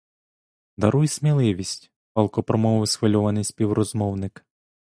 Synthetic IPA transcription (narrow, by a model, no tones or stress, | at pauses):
d̪ɐɾujsʲmʲilˠɪʋʲisʲtʲ | pɐlˠkɔpɾɔmɔʋɔʋsʋɔlʲɔʋɐnɪjsʲpʲiwɾɔzmɔwnɪk